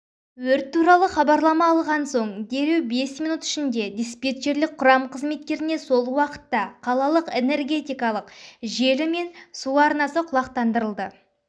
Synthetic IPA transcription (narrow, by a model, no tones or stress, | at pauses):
wɵɾt̪ʰːuɾɑlˠəχɑbɑɾlˠɑmɑːlˠʁɑnso̞ɴd̪e̞ɾe̞wbe̞smijnut̪ɪ̥ʃɪnd̪e̞d̪ʲespʲe̞t̪ʒe̞ɾlɪk̚qʰʊɾɑmqʰəzme̞t̪̚kʲe̞ɾɪne̞so̞lˠwɑqə̥t̪ːɑqʰɑlˠɑlˠəqe̞ne̞rɡʲe̞t̪ijkɑlˠəqʒe̞lɪme̞nsuɑɾnɑsəqʰʊlˠɑqt̪ɑnd̪əɾəlˠd̪ə